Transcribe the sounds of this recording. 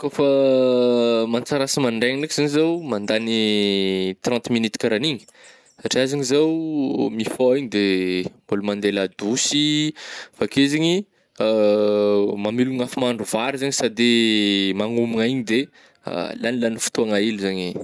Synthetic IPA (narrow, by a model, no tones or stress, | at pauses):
kofə | mant͡saɾasimaɳɖ͡ʐeŋinakiz̥aɲizawmand̪ani | t̪rãnt̪minit̪ikaɾaniɲi̥ | saʈ͡ʂiazaŋizawmifoiɲid̪embulumand̪elad̪usi | fakezeɲi | mamiluŋafimaɳɖ͡ʐuvaɾizaɲisad̪emaŋumiŋaiɲid̪e | a̰lanilanifu̥t̪uaŋailuzaɲi